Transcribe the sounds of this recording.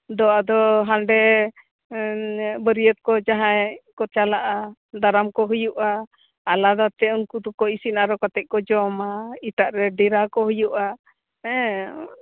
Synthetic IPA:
d̪ɔad̪ɔɦanɖɛ | bəɾijət̪̚kɔd͡ʒaɦajkɔt͡ʃalaʔa | d̪aɾamkɔɦujuʔaː | lad̪at̪ɛunkut̪ɔkɔisinaɾɔkat̪ɛʔ̚kɔd͡ʒɔmait̪aʔɾɛɖɛɾakɔɦujuʔa | ɛ

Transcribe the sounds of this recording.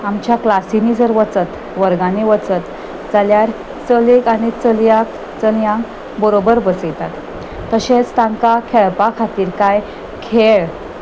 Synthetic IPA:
amt͡ɕjaklasinid͡zəɾʋət͡sət̪ | ʋəɾɡaniʋət͡sət̪ | d͡zaljaɾ | t͡səlekañit͡səljak | t͡səljãŋk | bəɾobəɾbəsəjt̪at̪ː | əɕẽt͡st̪ãŋkakʰeɭpakʰat̪iːɾkaj | kʰeɭ

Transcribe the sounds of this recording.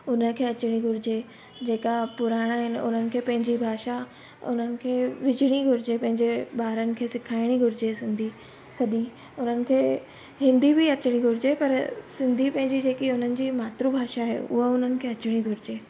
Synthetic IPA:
ʊn̤ə̆kʰeːɐt͡ɕɪɽ̃iɡʱʊɾɪd͡ʑe | d͡ʑeːkapʊɾaːɽ̃aːɦɪnɪ̆ʊ̰n̤ənɪ̆kʰeːpɐ̃ɦɪ̃ɲd͡ʑibʱaːʃa | ʊ̰n̤ənɪ̆kʰeːʋɪd͡ʑɪɽ̃iɡʱʊɾɪd͡ʑepɐ̃ɦɪ̃ɲd͡ʑeɓaːɾənɪ̆kʰeːsɪkʰaːɪɽ̃iɡʱʊɾɪd͡ʑesɪ̃nd̪ʱi | sɐɗi | ʊn̤ənɪ̆kʰeː | ɦɪ̃nd̪ʱibɪɐt͡ɕɽ̃iɡʱʊɾɪd͡ʑepɐɾsɪ̃nd̪ʱipɐ̃ɦɪ̃ɲd͡ʑid͡ʑeːkiʊn̤ənɪ̆d͡ʑimaːt̪ɾubʱaːʃaɦḛʊ̰ɦəʊn̤ənɪ̆kʰeːɐt͡ɕɪɽ̃iɡʱʊɾɪd͡ʑeː

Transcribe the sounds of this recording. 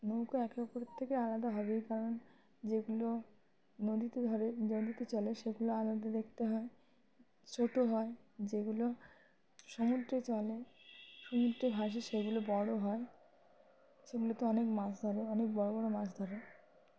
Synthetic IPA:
nowkoɛkepoɾt̪ʰːekealad̪aɦɔbejkaɾon | d͡ʑeɡulo | nod̪it̪ed̪ʱɔɾeod̪it̪et͡ɕɔleʃeɡuloalad̪ad̪ekʰt̪eɦɔe | t͡ɕʰoʈoɦɔed͡ʑeɡulo | ʃɔmud̪ɾet͡ɕɔleʃɔmud̪ɾebʱaʃ̬iʃeɡulobɔɽoɦɔe | ʃeɡulot̪oɔnekmasd̪ʱɔɾeɔnek̚bɔɽobɔɽomasd̪ʱɔɾe

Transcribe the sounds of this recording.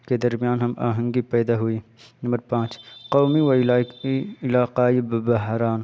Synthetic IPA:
ked̪ɐɾmijaːnɦɐma̰ːɦə̃ŋɡipɛːd̪aɦuiːnɐmbəɾpãːt͡ʃqoːmiw | ɪlaːqaːibbɐɦɾaːn

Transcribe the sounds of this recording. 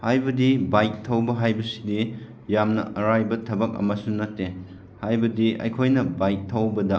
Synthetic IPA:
hajbɐdibajk̚tʰɐwbɐɦajbɐsi̥di | jamnɐ̰ʔɐɾajbɐtʰɐbɐk̚ɐ̰mɐsunɐtːe | hajbɐdiɐ̰jkʰojnɐbajk̚tʰɐwbɐdɐ

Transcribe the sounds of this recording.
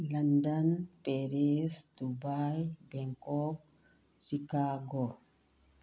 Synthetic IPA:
lɐnd̪ɐnpeɾesd̪ubajbɛŋkɔk̚ | ʃikaːɡo

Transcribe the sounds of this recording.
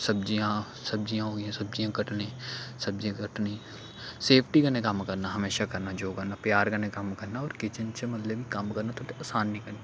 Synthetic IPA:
sɐb̚d͡ʒijã | sɐb̚d͡ʒijãɦoːɡjɛ̃sɐb̚d͡ʒijãkɐʈnẽsɐb̚d͡ʒijãkəʈni | seːpʰʈikənẽkɐmkɐɾnaɦɐmeːʃakɐɾnad͡ʒoːkəɾnapjaːɾɡɐnekɐmkɐɾnaɔːɾkɪt͡ʃənt͡ʃemɐt̪lebʱikɐmkɐɾnat̪ʰot̪eaːsaːnːĩkɐɾna

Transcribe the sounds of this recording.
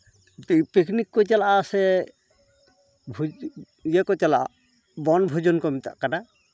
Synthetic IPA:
ppekʰnikːojt̪alaʔasɛ | bʱu | jɛkojt̪alaʔa̰ | bɔnbʱud͡ʒɔnkɔmit̪a̰ʔkana

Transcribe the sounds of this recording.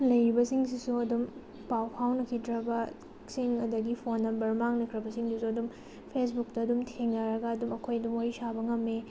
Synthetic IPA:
lɐjɾibɐsiŋsisuɐdum | pawpʰawnɐkʰidɾɐbɐ | siŋɐdɐɡipʰonːɐbɐɾmaŋlɐkʰɾɐbɐsiŋdusuɐdum | pʰesbuk̚tɐːdumtʰeŋnɐɾɐɡɐːdumɐkʰojɐdumoɾisabɐŋɐmːe

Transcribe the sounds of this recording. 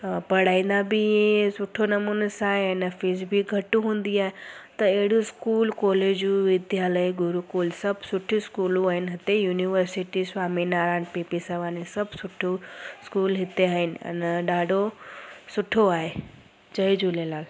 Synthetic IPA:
pɐɽ̤aːĩːnd̪abiẽsʊʈʰonɐmuːnəsaːɦeɐnəfɪsbiɡʱɐʈũɦũːn̆d̪iaːɦet̪ɐeɦɪɽuskuːlkɔːled͡ʑuʋɪd̪jaːləiɡʱʊɾukuːlsɐbʱsʊʈʰiskuːlũaːɦɪnɦɪt̪ejuːniʋəɾsɪʈiswaːminaːɾaːnpeːpisaʋaːnisɐbʱsʊʈʰuskuːlɦɪt̪eaːɦɪnɪ̆ɐ̰nɗaːɖʱosʊʈʰoaːɦe | t͡ɕɐid͡ʑuleːlaːl

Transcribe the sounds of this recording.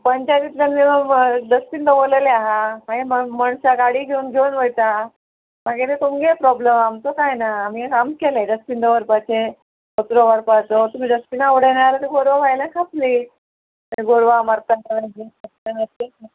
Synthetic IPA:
pəɲt͡ɕad̪it̪lanmiməɡd̪əspind̪əboleleaɦamaɡemməɳsaɡaɽiːɡʱeunɡʱeunʋəjt̪a | maɡet̪et̪umɡepɾɔbləmamt͡s̪okajnaːm̤ikamkeled̪əspind̪əʋəɾpat͡ɕʰe | sət̪ɾoʋəɾpat͡sot̪um̤iːd̪əspinaʋɽəjnaɾt̪iɡoɾʋabʱajlakʰapli | t̪əɾiɡoɾʋaməɾt̪aaad͡ʑeəsnanəɾe

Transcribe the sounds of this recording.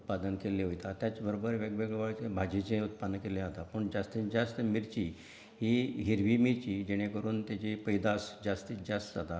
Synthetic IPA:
ut̪̚pad̪ənkeleɦojt̪at̪jat͡ɕbəɾobəɾʋeɡʋeɡɭʋaɭt͡sebʱad͡ʑit͡ɕẽut̪̚pad̪ənəkelẽɦat̪apəɳd͡ʑast̪id͡ʑast̪əmiɾt͡ɕiː | ɦiɦiɾʋimiɾt͡ɕiːd͡ʑeɽ̃ekəɾuːnt̪jat͡ɕepəjd̪asd͡ʑast̪id͡ʑast̪sad̪ʱa

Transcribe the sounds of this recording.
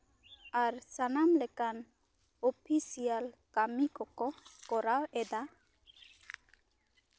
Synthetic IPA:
aɾsanamlɛkan | ɔpʰisialkamikɔkɔkɔɾawɛd̪a

